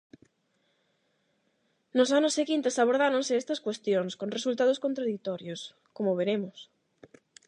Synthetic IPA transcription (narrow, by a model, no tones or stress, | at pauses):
nosanoseɣint̪esaβ̞oɾð̞aɾõnseest̪ɐskwest̪joŋskonresult̪að̞oskont̪ɾaðik̚t̪ɔɾjos | komoβeɾemʊs